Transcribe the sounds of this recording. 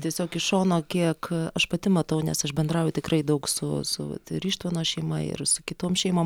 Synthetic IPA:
t̪ʲiɛsʲoːkɪʃoːnoːkʲiɛkɐʃpɐt̪ʲɪmɐt̪ɐʊnʲɛ̰sɐʃbʲɛnd̪ɾɑːʊjʊt̪ʲɪkrɐɪd̪ɐʊksʊsʊ̰ɐ̰t̪ɾʲiːʃt̪ʋoːnoːʃʲɛɪmɐ̰ɪ̰rsʊkʲɪt̪oːmʃʲɛɪmoːm

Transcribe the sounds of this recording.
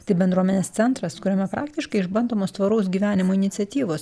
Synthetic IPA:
t̪ɐɪbʲɛnd̪ɾuɔmʲɛnʲeːst̪sʲɛnt̪ɾɐskʊɾʲɛmʲɛpɾɑːkt̪ʲɪʃkɐɪɪʒbɐnd̪oːmoːst̪ʋɐɾɐʊs̬ɡʲiːʋʲæːnʲɪmoːɪnʲɪt̪sʲɛt̪ʲiːʋoːs

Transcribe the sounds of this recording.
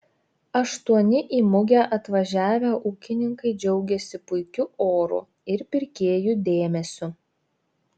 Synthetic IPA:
ɐʃt̪uɔnʲɪʔiːmʊɡʲæʔɐt̪ʋɐʒʲæːʋʲæʔuːkʲɪnʲɪŋkɐɪd͡ʒʲɛʊɡʲɛsʲɪpʊɪkʲʊʔoːɾṵ | ɪɾpʲɪɾʲkʲeːjud̪ʲeːmʲɛsʲʊ

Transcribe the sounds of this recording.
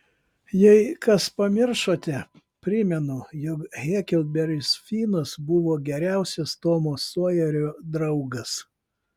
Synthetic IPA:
jɛɪkɐspɐmʲɪɾʃoːt̪ʲɛ | pʲɾʲɪmʲɛnʊjɔkɣʲɛːkʲɪlʲˠd̪̚bʲɛɾʲɪsfʲiːnosbʊʋoːɡʲɛɾʲæˑʊsʲɛst̪oːmoːsuɔjɛɾʲoːd̪ɾɐʊɡɐs

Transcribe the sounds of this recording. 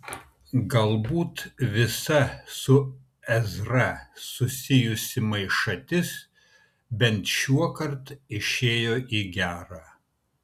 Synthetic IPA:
ɡɐlˠbuːt̪ʋʲɪsɐsʊ | ɛzɾɐsʊsʲɪjʊsʲɪmɐɪʃɐt̪ʲɪs | bʲɛnt̪ʃʲuɔkɐɾt̪ɪʃʲeːjoːʔiːɡʲæːɾɑː

